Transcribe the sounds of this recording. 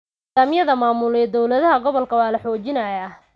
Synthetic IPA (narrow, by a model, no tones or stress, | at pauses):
aːmjɐðɐmaːmʊlɛːd̪ɔwlɐðɐɦɐɡɔβɔlkʰɐwɑːlɐħɔːt͡ʃɪnɐjaː